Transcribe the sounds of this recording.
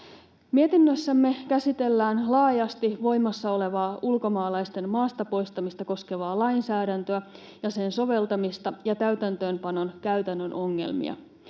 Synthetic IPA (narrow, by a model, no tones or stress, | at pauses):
mie̞t̪inːøsːæmːe̞kæsit̪e̞lːæːnlɑːjɑst̪iʋo̞jmɑsːɑo̞le̞ʋɑːʔulko̞mɑːlɑjst̪e̞mmɑːst̪ɑpo̞jst̪ɑmist̪ɑko̞ske̞ʋɑːlɑjnsæːɾænt̪øæ | jɑse̞nso̞ʋe̞lt̪ɑmist̪ɑjɑt̪æɥt̪ænt̪ø̞ːmpɑno̞nkæyɥt̪ænːøno̞ŋːḛlmḭɑ̰